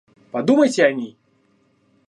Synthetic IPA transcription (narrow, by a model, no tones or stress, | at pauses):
pad̪umɐjt͡sʲɛanʲi